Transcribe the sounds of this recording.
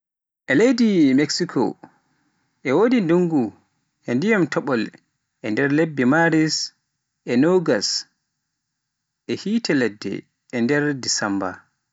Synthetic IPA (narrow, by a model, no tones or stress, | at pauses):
ʔɛlejdimeksikʰɔ̰ | ʔɛwodinduŋɡu | ʔɛndijamtʰɔɓɔl | ʔɛndɛɾlebːimaɾis | ʔɛnoɡas | ʔɛhiːtɛlɛdːɛ̰ː | ndɛɾdisamba̰